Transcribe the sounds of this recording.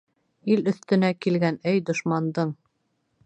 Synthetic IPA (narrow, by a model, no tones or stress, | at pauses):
ilɵ̆θt̪ɘ̆nækilɡænæjd̪ŏʃmɑnd̪ɤɴ